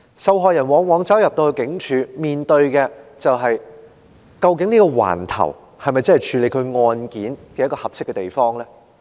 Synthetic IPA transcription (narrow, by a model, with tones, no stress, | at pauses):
sɐ˨˧wɦɔː˨jɐ˨˩nwɔː˨˥ŋwɔː˨˥ŋt͡sɐ˥wjɐ˨p̚t̪o˧wjkɪ˨˥ŋt͡ʃʰyː˨˧miː˨˩nt̪ɵ˧ɥkɛː˧t͡sɐ˨wɦɐ˨j | kɐ˧wk̬ɪ˨˥ŋniː˥kɔː˧wa̰ː˨˩nt̪ʰɐ̰˨˩w | hɐ˨jmɐ˨jt͡sɐ˥hjt͡ʃʰyː˨˧le˨˧jkʰɵ˨˧ɥŋɔː˧nkiː˨˥nkɛː˧jɐ˥tkɔː˧hɐ˨p̚sɪ˥kːɛː˧t̪e˨˩jfɔː˥ŋlɛː˥